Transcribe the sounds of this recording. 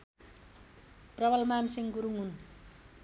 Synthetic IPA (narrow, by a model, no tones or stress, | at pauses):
prʌbʌlmansiŋɡuɾuŋɦun